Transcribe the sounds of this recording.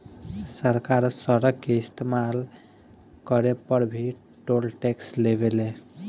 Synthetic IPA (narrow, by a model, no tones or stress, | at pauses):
səɾkaɾsəɾəɡkeist̪emal | kəɾepəɾbʱi | ʈolʈekslebele